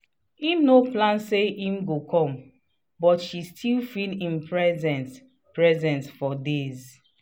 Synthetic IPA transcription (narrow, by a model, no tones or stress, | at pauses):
imnoplãnseĩmɡokʰɔ̃m | bɔtʃistʰilfilĩmpɹɛzɛ̃ns | pɹɛzɛ̃nsfɔdez